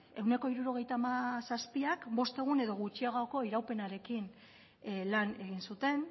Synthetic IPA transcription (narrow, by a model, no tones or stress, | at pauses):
e̞wne̞ko̞iɾuɾo̞ɣ̞e̞jt̪aːmasaspiakbo̞st̪e̞ɣ̞une̞ðo̞ɣut͡ʃiaɣako̞iɾawpe̞naɾe̞kin | lane̞ɣ̞insut̪e̞n